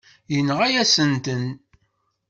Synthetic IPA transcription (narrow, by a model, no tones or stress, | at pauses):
jənʁæjæsənt̪ən